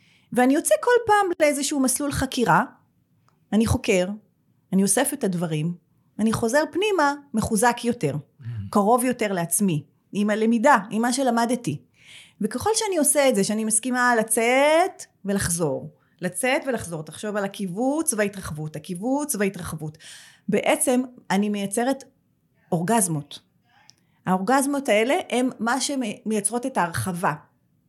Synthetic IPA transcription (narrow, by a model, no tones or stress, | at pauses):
veanijo̞t͡seko̞lpaːmleezeʃuumaslulχakiʁaː | niχo̞ke̞ʁ | aniosefetadvaʁim | aniχo̞ze̞ʁpnimame̞χuzakjo̞te̞ʁkaʁo̞vjo̞te̞ʁleat͡smi | imale̞midaimːaʃ̬e̞lamadeti | vekeχo̞lʃeanio̞seetzeʃeanimaskimalat͡set | ve̞laχzo̞ʁ | lat͡setve̞laχzo̞ʁtaχʃo̞valakivut͡sveaitʁaχvutakivut͡sveitʁaχvut | be̞ʔet͡se̞manimejat͡se̞ʁet | o̞ʁɡazmo̞t | hao̞ʁɡazmo̞tae̞le̞hemːaʃemejat͡sʁo̞te̞taːʁχava